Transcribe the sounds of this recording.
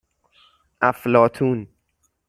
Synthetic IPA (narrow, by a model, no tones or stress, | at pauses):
ʔæflɒːt̪ʰuːn